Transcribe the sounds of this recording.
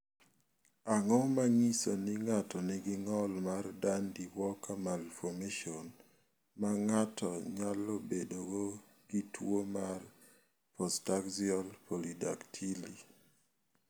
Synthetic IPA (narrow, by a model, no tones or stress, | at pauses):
aŋɔmaŋisonɪŋatɔnɪɡɪŋɔlmardandiwɔkamalfɔmeʃɔn | maŋatʰɔɲalobedoɡo | ɡ̥itwomar | pɔstakziɔlpolida̰ktʰili